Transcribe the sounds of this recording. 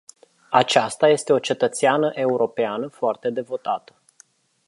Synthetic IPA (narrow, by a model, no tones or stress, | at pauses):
at͡ʃast̪aje̞st̪e̞o̞t͡ʃe̞t̪ət̪seanəʔe̞uɾʔo̞peanəfoart̪e̞d̪e̞vo̞t̪at̪ə̥